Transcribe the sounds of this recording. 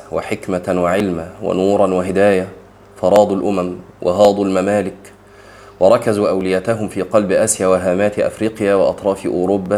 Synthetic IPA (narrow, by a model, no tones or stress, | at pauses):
waħɪkmawɪʕɪlmawa̰nuːɾˤɑnwɪɦɪd̪aːja | fɑɾˤɑːd̪ˤʊlʔʊmæm | wʔɪ̰ɦɑːd̪ˤʊlmamaːlɪk | wɑɾˤɑkazuːʔawlɪjæːt̪aɦʊmfiːqɑlbɪʔasjaːwaɦaːmaːt̪ʔa̰fɾiːqjaːwɪʔɑ̰t̪ˤɾˤɑːfʔʊːɾʊbːa